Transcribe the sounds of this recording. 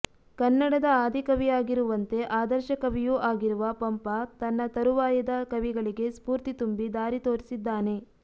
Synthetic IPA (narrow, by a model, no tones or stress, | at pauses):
kɐnːɐɽɐd̪ɐaːd̪ʱikɐʋijaːɡiɾuʋɐnt̪e̞ʔaːd̪ɐɾʃɐkɐʋijuʔaːɡiɾuʋɐpɐmpɐt̪ɐnːɐt̪ɐɾuʋaːjɐd̪ɐkɐʋiɡɐɭiɡe̞spuːɾt̪it̪umbid̪aːɾit̪oːɾisid̪ːaːne̞